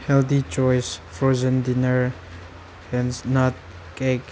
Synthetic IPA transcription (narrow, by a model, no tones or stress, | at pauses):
hɛlt̪it͡ʃɔjsfɹozə̃ndɪnəɹ | hɛ̃nsnɔt̚ | kek